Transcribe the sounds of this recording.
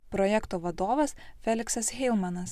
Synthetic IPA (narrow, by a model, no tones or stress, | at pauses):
pɾɔjɛkt̪oːʋɐd̪oːʋɐsfʲɛlʲɪksɐsxʲɛɪlˠmɐnɐs